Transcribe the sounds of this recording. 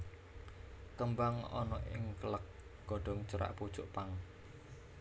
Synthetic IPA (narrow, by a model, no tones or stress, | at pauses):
k̪əmbaŋɔ̰nɔʔɪŋkələk̚ɡ̥ɔɖ̥ɔ̤ŋt͡ʃəɾa̰ʔpud̥ʒ̥ʊʔpaŋ